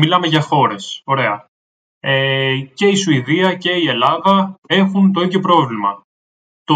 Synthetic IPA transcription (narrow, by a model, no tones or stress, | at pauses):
milɐme̞ʝɐxo̞ɾe̞so̞ɾe̞ɐ | ece̞isuiðiɐce̞ie̞lɐðɐe̞xunt̪oecopɾo̞vlimɐ̰ | t̪o